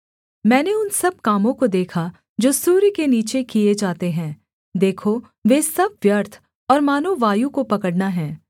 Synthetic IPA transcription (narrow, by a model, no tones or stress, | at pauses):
mɛ̃ːneʊnsɐb̚kaːmõkod̪eːkʰa | d͡ʒoːsuːɾikeniːt͡ʃekied͡ʒaːt̪eɦɛ̃ː | d̪eːkʰo | ʋeːsɐb̚ʋjəɾt̪ʰ | ɔːɾmaːnoʋaːjukopɐkəɽnaɦɛ̃ː